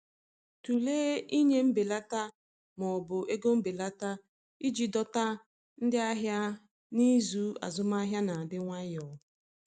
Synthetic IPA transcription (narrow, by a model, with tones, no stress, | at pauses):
tu˨leː˦i˦ɲe˦m̩˦bɪ˨la˦ta˦ | mɔ˨bʊ˨ʔe˦ɡo˦m̩˦be˨la˦ta˦ | i˦d͡ʒi˨dɔ˦ta˦ | n̩˦dɪ˦a˦ɦja˦ | ni˦zu˦a̰˨zʊ˦ma˦ɦja˦na˨a˨dɪ˦ŋʷa˦jɔ˨